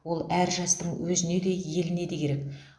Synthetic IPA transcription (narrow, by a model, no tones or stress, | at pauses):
wo̞lˠæɾʒɑst̪əɴwɵzɪne̞d̪e̞je̞lɪne̞d̪e̞kʲʰe̞ɾe̞k